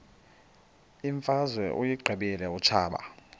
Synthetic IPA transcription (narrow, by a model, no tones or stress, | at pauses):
iɱfazwɛʔujiɡ͡ǃʱɛɓilɛut͡ʃʰaːɓa̰